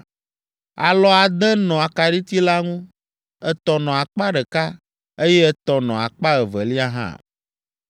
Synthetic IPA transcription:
a̰˨lɔ˦a˨d̪ɛ˦nɔ̃˨a˨ka˨ɖi˦t̪i˦la˦ŋũ˦ | ɛ˦t̪ɔ˨nɔ̃˨a˨k͡pa˦ɖɛ˨ka˦ | e˦jɛ˦ɛ˦t̪ɔ˨nɔ̰̃˨a̰˨k͡pa˦ɛ˨vɛ˨li˦a˦ɦã̰˦˨

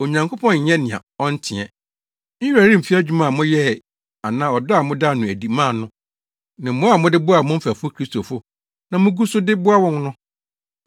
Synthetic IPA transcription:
o˨ɲã˨ŋkʰo˦pʰɔ̃˦n̩˨ɛ˦nɪ̃˨a̰˨ɔ˦n̩˦tʰɪ̃˨ɛ̰˨ | ɲ̩ᶣ˦a˨ɾĩ˦˨m̩˨fi˦a˦d͡ʑᶣu˨˦mã˦˨mʊ̃˦jɛ˦˨ | a˨nãː˦ɔ˨dʊ˦a˨mʊ̃˦da˦˨nʊ̃˨æ˨di˨mã˦˨nʊ̃˦ | nã˨mʊ̃˦a˨mʊ̃˦dɪ˦bʊ˦a˨mʊ̃˦m̩˦fæ˨fʊ˦kʰɾi˦sto˨fʊ˦ | nã˨mʊ̃˦ɡu˦sʊ˦dɪ˦bʊ˦a˦wɔ̃˦n˦nʊ̃˦

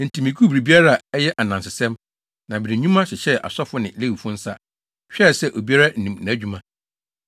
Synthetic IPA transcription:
n̩˨tʰi˨mĩ˨kʰu˦bɾi˨bi˦a˦ɾa˦a˨ɛ˦jɛ˦ʔa˨nã˨nsɪ˨sɛ̃˦m | nã˨bɪ˨ɾĩ˨ɲᶣũ˦mã˦ɕɪ˨ɕɛ˦ʔa̰˨sɔ˦fʊ˦nɪ̃˨le˦wu˨fʊ̃˦n̩˦sa˦ | ɕᶣɛ˦˨sɛ˦ʔo˨bi˦a˦ɾa˦n̩˦nĩ˨mnã˨æ˦d͡ʑᶣu˦mã˦

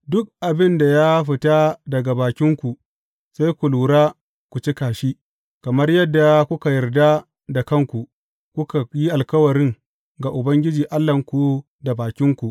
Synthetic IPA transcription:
dʊ˦k̚ʔa˨bɪ˦nda˨ja˦ɸɪ˨taː˦dɐ˨ɡa˨baː˨kʲɪ˦ŋkʷu˨ | sa˦jkʷu˨luː˨ɽaː˦ | kʷu˨t͡ʃi˦kaː˨ʃiː˦ | kɐ˨mɐ˦rjɐ˦dːa˨kʷʊ˦ka˨jɐ˨rda˦ | da˨kɐ˦ŋkʷu˨ | kʷʊ˦ka˨ji˦ʔa˨lkɐ˦wɐ˨ɾɪ˦ŋ | ɡa˨ʔʊ˨bɐ˦ŋɡʲɪ˦d͡ʒiː˨ʔa˦lːɐ˨ŋkʷu˦ | da˨baː˨kʲɪ˦ŋkʷu˨ʔ

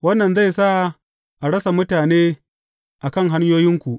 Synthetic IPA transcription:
wɐ˦nːɐ˨nza˦˨jsa˦˨ | ʔa˨ɽɐ˦sa˨mʊ˦taː˨neː˦ | ʔa˨kɐ˦˨ŋɦa˦ɲjoː˦jɪ˦ŋkʷu˨ʔ

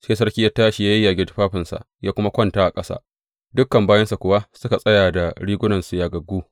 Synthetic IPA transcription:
seː˦s̬ɐ˦rkʲi˦ja˦taː˦ʃi˨jaː˦jɐ˦jːaː˨ɡʲɪ˦tɸaː˦ɸɪ˨nsa̰˨jaː˦kʷʊ˦ma˦kʷɐ˦ntaː˦ʔa˨kʼɐ˦sa̰˦ | dʊ˦kːɐ˨mbaː˦jɐ˦nsa˨kʷʊ˨wa˦sʊ˦ka˨sʼɐ˦jaː˨da˨ɽiː˦ɡʷʊ˦nɐ˨nsu˨jaː˨ɡɐ˨ɡuː˦

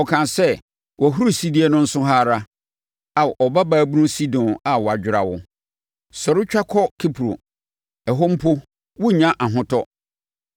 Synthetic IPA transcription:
ɔ˨kʰã˨sɛ˦ | wʔɔ˨ɦu˦ɾu˦si˦di˦ɛ˦nʊ̃˦n̩˦sʊ˦ɦaː˦ɾa˦ | a˨ʔɔ˨ba˦baː˨˦˨bu˦nʊ̃˦si˦dɔ̃˨na˨wɔ˨a˨d͡ʑᶣɪ˨ɾa̰˨wʊ̰˦ | sɔ˨ɾɪ˦t͡ɕᶣa˦kʰɔ˦kʰi˦pʰɾo̰˨ | ɛ˨ɦɔ˦m̩˦pʰʊ˦ | wʊ˦˨ɲã˦ʔa˨ɦʊ̃˦tʰɔ˦

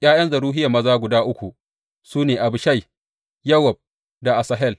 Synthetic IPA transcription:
jaː˦jɐ˦nzɐ˨ɾuː˦ɦɪ˦ja˨mɐ˦zaː˦ɡʷʊ˨daː˦ʔʊ˦kʷu˨ | suː˦neː˨ʔa˨bɪ˨ʃa˦˨j | jɐ˦wɐ˨b̚ | da˨ʔa˨sɐ˨ɦɛ˦˨l

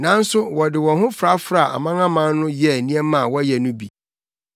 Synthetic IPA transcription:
nã˨˦n̩˦sʊ˦wɔ˨dɪ˨wɔ̃˨hʊ̃˦fɾa˦fɾa˦˨ʔa̰˨mã˦ŋã˦mã˦n˦nʊ̃˦jɛ˦˨nĩ˦ɛ˦mã˨wɔ˦jɛ˨nʊ̃˦bi˨

